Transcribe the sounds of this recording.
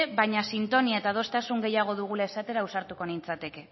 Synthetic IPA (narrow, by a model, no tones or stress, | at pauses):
eβaɲasint̪o̞niae̞t̪að̞o̞st̪asuŋɡe̞jaɣ̞o̞ðuɣ̞ulae̞sat̪e̞ɾausaɾt̪uko̞nint͡sat̪e̞ke̞